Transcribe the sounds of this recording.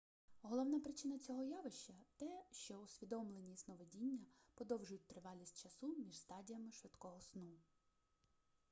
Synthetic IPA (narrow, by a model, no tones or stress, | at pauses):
ɦɔlˠɔwnɑpɾɪt͡ʃɪnɐt͡sʲɔɦɔjɑʋɪʃt͡ʃɐt̪ɛʃt͡ʃɔʊsʲʋʲid̪ɔmlˠenʲiznɔʋedʲinʲːɐpɔd̪ɔwʒʊjʊt̚ʲt̪ɾɪʋɑlʲisʲt̚ʲt͡ʃɐsumʲiʒst̪ɑdʲijɐmɪʃʋɪd̪kɔɦɔsnu